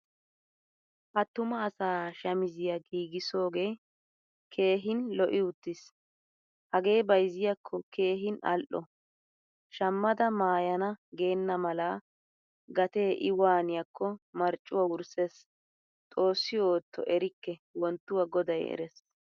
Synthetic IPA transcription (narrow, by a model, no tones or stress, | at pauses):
hɐt̪ːʊmɐːsaːʃɐmɪzɪjɐɡiːɡɪso̞ːɡe̞ː | kʰe̞ːɦɪnlɔʔɪʊt̪ːɪs | hɐɡe̞ːbɐjzɪjɐkʰːɔke̞ːɦɪnɐ̰lʔɔ | ʃɐmːɐd̪ɐmaːjɐnɐɡe̞ːnːɐmɐla | ɡɐt̪e̞ːʔɪwaːnɪjɐkʰːɔmɐɾt͡ʃʼːʊwawʊɾses | t̪ʼo̞ːsːɪjoːt̪ʰːɔ̰ʔɛɾɪkːɛwɔnt̪ːʊwɐɡɔd̪ɐjɛ̰ɾɛs